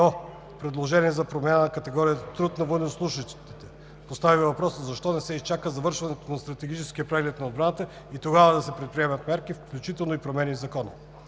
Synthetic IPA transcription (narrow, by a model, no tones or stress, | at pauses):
ɔ | pɾɛd̪lˠoʒɛniɛzɐpɾomʲanənɐkɐt̪ɛɡɔɾijət̪t̪ɾut̪nɐvonɛslˠuʃət̪ɛ | post̪avivɐpɾɔszɐʃt̪ɔnɛsɛist͡ʃakəzɐvɤɾʃvɐnɛt̪onɐst̪ɾɐt̪ɛɡit͡ʃɛskiəpɾɛɡlɛt̪nɐod̪bɾanət̪ə | it̪oɡavɐd̪ɐsɛpɾɛt̪̚pɾiɛmɐt̪mɛɾkifklʲut͡ʃit̪ɛlˠnoipɾomɛnizɐkɔnɐ